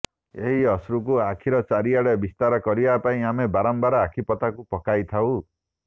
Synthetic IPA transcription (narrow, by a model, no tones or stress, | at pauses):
ḛɦiɔsɾukuakʰiɾɔt͡ʃaɾiaɽebist̪aɾɔkɔɾibapaĩamebaɾɔmbaɾɔakʰipɔt̪akupɔkajt̪ʰaw̃